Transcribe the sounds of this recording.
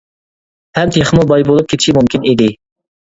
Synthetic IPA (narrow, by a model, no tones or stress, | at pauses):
hɛmt̪ʰeχəmubɑjbolˠup̚kʰʲet̪ʰiʃimumkʲʰinid̪ɪ